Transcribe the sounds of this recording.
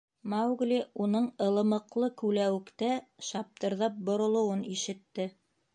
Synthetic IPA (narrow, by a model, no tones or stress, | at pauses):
mɑwɡlʲiunɤɴɤ̆lˠɤ̆mɤ̆qlˠɤkʉlæwɘ̆kt̪æʃɑp̚t̪ɤ̆ɾðɑp̚bŏɾŏlˠɤ̆wɤniʃɘ̆t̪ːɘ